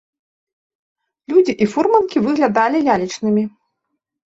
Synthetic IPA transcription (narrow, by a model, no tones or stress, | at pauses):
lʲud͡zʲiʔifurmɐnkʲivɨɣlʲad̪alʲilʲalʲit͡ʂnɨmʲi